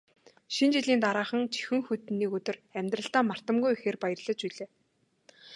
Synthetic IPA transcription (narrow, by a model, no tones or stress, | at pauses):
ʃint͡ɕiɮiːnt̪aɾaːχə̆ŋt͡ɕʰi̥xɘ̆ŋxɵt̪nːiːkɵt̪ɵ̆ræmʲt̪rə̆ɬt̪aːmar̥t̪ə̆mɡujixeːrpajə̆rɮə̆t͡ɕpiɮeː